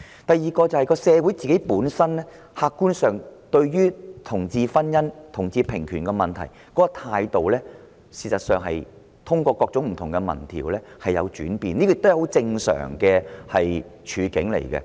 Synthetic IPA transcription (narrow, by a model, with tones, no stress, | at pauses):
t̪ɐ˨jːiː˨kɔː˧t͡sɐ˨whɐ˨jkɔː˧sɛː˧wu˨˥jt͡siː˨ke˨˥jpuː˨˥nsɐ˥nlɛː˥ | haː˨˧kːuː˥nsœː˨ŋt̪ɵ˧ɥyː˥t̪ʰʊ˨˩ŋt͡siː˧fɐ˥njɐ˥nt̪ʰʊ˨˩ŋt͡siː˧pʰɪ˨˩ŋkʰyː˨˩nkɛː˧mɐ˨nt̪ʰɐ̰˨˩jkɔː˨˥kɔ˧t̪ʰaː˧jt̪o˨wlɛː˥ | siː˨˧sɐ˨t̚sœː˨ŋɦɐ̰˨j | t̪ʰʊ˥ŋkʷɔː˧kɔː˧k̚t͡sʊ˨˥ŋm̩˨˩t̪ʰʊ˨˩ŋkɛ˧mɐ̰˨˩nt̪ʰḭ˨˩wlɛː˥hɐ˨jːɐ̰˨˧wt͡ʃy̰ː˨˥npiː˨nli˥kɔ˧ɪ˨kt̪jho˨˥wt͡sɪ˧ŋsœ̰ː˨˩ŋkɛː˧hɐ˨jt͡ʃʰyː˨˧kɪ̰˨˥ŋlḛ˨˩jkɛ̰˧